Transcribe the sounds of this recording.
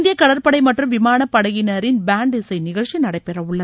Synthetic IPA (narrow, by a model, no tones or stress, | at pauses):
nd̪ɪjɐkɐɽɐɾpɐɽɐɪmɐʈrɯmʋɪmaːnɐpːɐɽɐɣɪnɐɾɪnbaːɳɖɪsɐɪnɪɣɐɭt͡ʃinɐɽɐɪpːɛrɐʋɯɭːɐð